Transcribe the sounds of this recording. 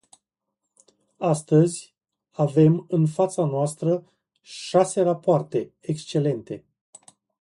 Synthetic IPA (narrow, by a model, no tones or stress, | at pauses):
ast̪əzʲ | ave̞mɨnfat̪sanoast̪ɾə | ʃase̞rapoart̪e̞ | ekst͡ʃe̞le̞nt̪e̞